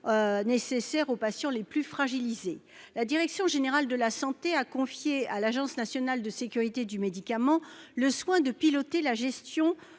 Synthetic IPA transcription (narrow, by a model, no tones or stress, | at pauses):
nesesɛʁopasjɑ̃leplyfχaʒilize | lad̪iʁɛksjɔ̃ʒeneʁald̪əlasɑ̃t̪eakɔ̃fjealaʒɑ̃snasjɔnald̪əsekʲyʁit̪ed̪ymed̪ikamɑ̃ləswɛ̃d̪əpilɔt̪elaʒɛst̪jɔ̃